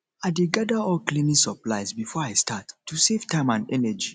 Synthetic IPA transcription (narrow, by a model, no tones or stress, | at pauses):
aɪdeɡadəɔklĩnisəplajzbifɔajstatːusevtʰãɪ̃mãndɛnɛd͡ʒi